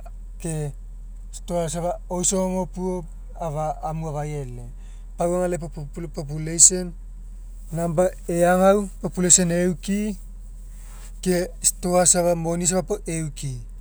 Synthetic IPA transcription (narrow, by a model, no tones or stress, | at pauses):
ke | stoas̬aβaojsoŋopuop | aβaːmuaβaje̞le | pawaŋalepopop̬ulejsenː | amba | eaŋawpopulesenewki | kesto̞asaβamonis̬aβapoʔeuki